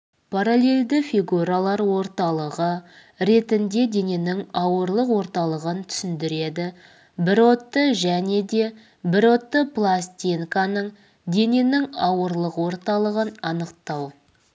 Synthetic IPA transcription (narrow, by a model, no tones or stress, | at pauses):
pʰaɾalʲe̞lʲd̪ɪfijɡuɾalˠɑɾwo̞ɾt̪ɑlˠəʁə | ɾe̞t̪ɪnd̪e̞d̪e̞ne̞nɪŋɑwəɾlˠəqwo̞ɾt̪ɑlˠəʁənt̪ʰʏ̥sɪnd̪ɪɾe̞d̪ɪ | bɪɾot̪ːəʒæne̞d̪e̞ | bɪɾo̞t̪ːəplˠast̪ʲiŋkanəɴ | d̪e̞ne̞nɪŋɑwəɾlˠəqwo̞ɾt̪ɑlˠəʁənɑnəqt̪ɑw